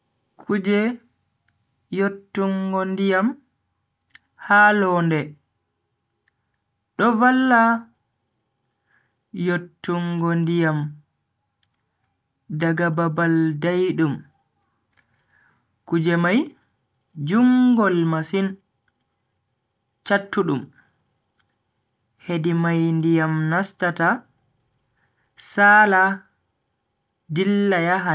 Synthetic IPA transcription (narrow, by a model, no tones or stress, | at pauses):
kʰud͡ʒɛ | jotːuŋɡɔndijam | haːlɔːndɛ | ɗɔvalːa | jotːuŋɡɔndijam | daɡababaldajɗum | kud͡ʒɛmaj | d͡ʒuŋɡɔlmasin | t͡ʃatʰːuɗum | hedimajndijamnastata | saːla | dilːajaɦa